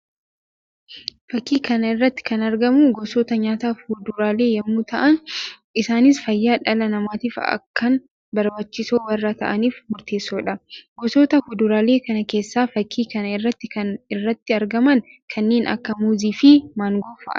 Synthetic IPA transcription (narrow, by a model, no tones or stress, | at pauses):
fɐkːiːkɐnɐɪrːɐt̪ːɪ̥kɐnɐɾɡɐmuɡɔsot̪ɐɲaːt̪aːfhʊd̪ʊɾaːle̞ːjɐmːuːt̪ɐʔɐn | ɪsaːnɪsfɐjːaːᶑɐlɐnɐmaːt̪iːfɐ̰kːɐn | bɐɾbɐt͡ʃːɪsoːwɐrːɐt̪ɐ̰ʔɐniːfmʊɾt̪e̞ːsːoːᶑɐɡɔsoːt̪ɐhʊd̪ʊɾaːle̞ːkɐnɐke̞ːsːaːfɐkʰːiːkɐnɐɪrːɐt̪ːɪkɐnɪrːɐt̪ːɪɐɾɡɐmɐnkʰɐnːe̞ːnʔɐ̰kːɐmuːziːfɪmaːŋɡofɐ̰ʔɐ̰